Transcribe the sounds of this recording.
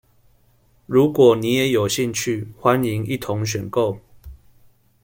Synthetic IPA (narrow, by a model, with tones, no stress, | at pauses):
ɻu˨˦kwɔ˨˩ni˨˦je˨˦jo˨˩ʊɕi˥˧ŋt͡ɕʰy˥˨xwa˦ni˨˦ŋḭ˥˨t̪ʰʊ˨˦ŋɕ̬ɥɛ˨˩nko˥˨ʊ